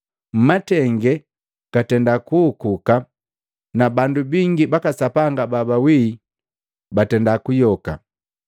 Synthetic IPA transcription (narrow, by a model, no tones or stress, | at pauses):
m̩matɛŋɡɛ | katɛndakuːkuka | nabandubiŋɡibakasapaŋɡababawiː | batɛndakujɔka̰